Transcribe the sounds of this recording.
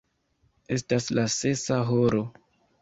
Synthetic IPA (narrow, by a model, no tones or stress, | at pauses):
e̞staslase̞saɦoɾo̞